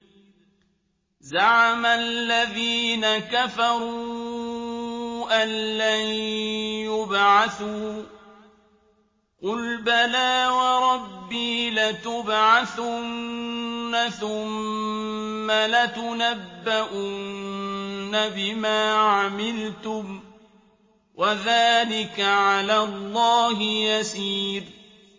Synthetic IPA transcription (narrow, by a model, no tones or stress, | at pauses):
zaʕamalːaðiːnakafɑɾˤuu | ʔanːa | jʊbʕaθuː | qʊlbalaːwɑɾˤɑbːiːlat̪ʊbʕaθʊnnːaθʊmː | alat̪ʊnabːaʔʊnnːabɪmaːʕamɪlt̪ʊm | wʔaðaːlɪkaʕalaːlˤːɑːhɪjasiːɾ